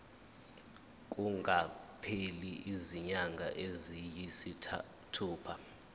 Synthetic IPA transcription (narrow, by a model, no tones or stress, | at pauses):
kʼuŋapʰeliʔiziɲaŋɡʱa̰ʔezijisi | tʰuːpʰa